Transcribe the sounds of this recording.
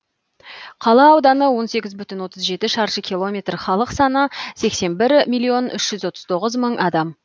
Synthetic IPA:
qʰɑlˠɑɑwd̪ɑnəwo̞nse̞ɡʲɪzbʏt̪ʏnwo̞t̪əzʒe̞t̪ɪʃɑɾʃəkʲʰilˠo̞mʲe̞t̪rχɑlˠəqsɑnəse̞kse̞nbɪɾmʲijlˠːio̞nʏʃʒ̥ʏzwo̞t̪əzt̪ʰo̞ʁəzməɴʔɑd̪ɑm

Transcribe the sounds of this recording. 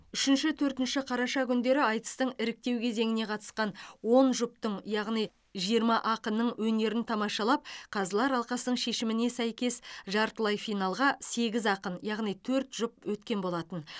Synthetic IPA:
ʏʃɪnʃɪt̪ʰɵɾt̪ɪnʃɪqʰɑɾɑʃɑkʲʰʏnd̪e̞ɾɪɑjt̪ə̥st̪əɴɪɾɪk̚t̪e̞wkʲʰe̞ze̞ŋɪne̞qʰɑt̪ə̥sqɑnwo̞nʒʊpt̪əɴjɑʁnij | ʒijəɾmɑʔɑqənːəɴwɵne̞ɾɪnt̪ʰɑmɑʃɑlˠɑp̚qʰɑzəlˠɑɾɑlˠqɑsənəɴʃe̞ʃɪmɪne̞sæjkʲe̞sʒɑɾt̪lˠɑjfijnɑlˠʁɑse̞ɡʲɪzɑqənjɑʁnijt̪ʰɵɾt̪ʒ̥ʊp̚wɵt̪kʲe̞nbo̞lˠɑt̪ən

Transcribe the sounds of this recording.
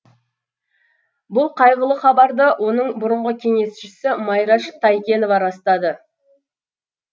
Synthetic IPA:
bʊlˠqʰɑjʁəlˠəχɑbɑɾd̪əwʔo̞nəɴbʊɾəɴʁəkʲʰe̞ŋe̞sʃɪsɪmɑjɾɑʃt̪ʰɑjkʲe̞novɑɾɑst̪ɑd̪ə

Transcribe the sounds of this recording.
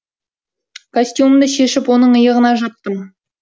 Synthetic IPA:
kʰosʲt̪ʲjumd̪əʃe̞ʃɪpwo̞nəɴəjəʁənɑʒɑt̪ːəm

